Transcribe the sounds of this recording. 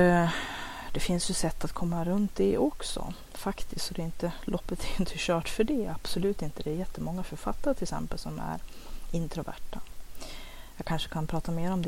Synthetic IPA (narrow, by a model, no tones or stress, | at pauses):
d̪ɛfɪnsjɵsɛt̪ːat̪kʰɔmːaɾɵnt̪ːɪʔɔksɔ̰ | fakt̪ʰɪskt̪sɔd̪ɛɪnt̪əlʔɔpːət̪ʰɛɾɪnt̪ʰəɕœːʈfœɖɛab̥sɔlʉ̟ːt̪ɪnt̪əd̪ɛːɾjɛt̪ːəmɔŋːafœɾfa̰t̪ːaɾət̪ʰɪlsɛ̰mpəlsɔmæ̰ɾ | ɪnt̪ʰɾʊvæ̰ʈːa | jɑːɡkʰanʂə̥kʰanpʰɾɑːt̪ameːɾɔmd̪